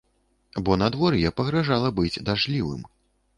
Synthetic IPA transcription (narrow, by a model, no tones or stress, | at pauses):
bɔnad̪vɔɾjɛpɐɣɾaʐalˠɐbɨd͡zʲd̪aʐlʲivɨ̰m